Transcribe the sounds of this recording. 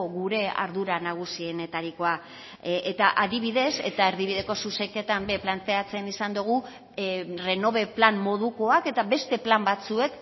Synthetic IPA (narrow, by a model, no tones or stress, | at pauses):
ɣuɾe̞a̰ɾðuɾanaɣ̞usiene̞t̪aɾiko̞a | ʔet̪aʔaðiβ̞iðe̞se̞̰t̪ae̞ɾðiβ̞iðe̞ko̞susejke̞t̪ambe̞plant̪e̞at͡se̞nisand̪uɣ̞u | re̞no̞βeplanmo̞ð̞uko̞ake̞t̪aβe̞st̪e̞plambat͡sue̞k